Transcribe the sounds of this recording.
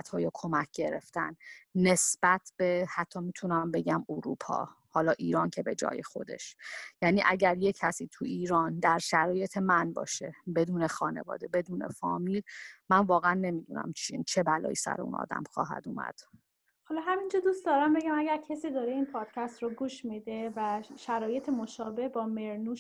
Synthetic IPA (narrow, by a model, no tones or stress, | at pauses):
t̪hɒːjokʰo̞mæcʰɟe̞ɾḛft̪ænːe̞sb̥æt̪ʰb̥e̞hæt̪ʰːɒːmit̪ʰunæmbe̞ɟæmuɾuːpʰɒ̰ː | hɒːlɒːʔiːɾɒːncʰebe̞d͡ʒɒ̰ːjexo̞d̪e̞̰ʃjæːniːʔæɟæɾjecʰæsiːt̪ʰuiːɾɒːnd̪æɾʃæɾɒːje̞t̪ʰe̞mænbɒ̰ːʃe̞be̞d̪uːnexɒːne̞̰vɒ̰ːd̪e̞be̞d̪uːne̞̰fɒːmilmænvɒːɣeænːe̞mid̪unæ̰mt͡ʃʰint͡ʃʰe̞bælɒ̰ːjisæ̰ɾeṵnɒ̰ːd̪æ̰mxɒːɦæ̰d̪umæ̰d̪̥ | hɒlɒɦæmind͡ʒɒd̪ust̪d̪ɒːɾæmbe̞ɟæmæɟæɾcʰesiːd̪ɒːɾeinpʰɒːd̪̥cʰæst̪ɾoɡuːʃmid̪evæʃæɾɒːje̞t̪ʰemoʃɒːbehbɒːme̞ɾnuʃ